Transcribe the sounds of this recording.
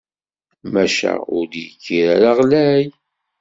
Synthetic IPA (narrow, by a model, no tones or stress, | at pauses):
mæʃæ̰ʊɾd̪jikːiɾæɾaʁlæj